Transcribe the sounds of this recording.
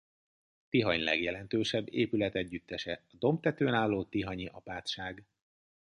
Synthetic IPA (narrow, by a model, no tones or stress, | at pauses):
t̪iɦɒɲlɛ̰ɡjɛlɛnt̪øːʃɛbːeːpylɛt̪ɛɟːyt̪ːɛʃɛɒd̪o̞mt̪ɛt̪øːnaːlːoːt̪iɦɒɲiʔɒpaːt̪ʃaːɡ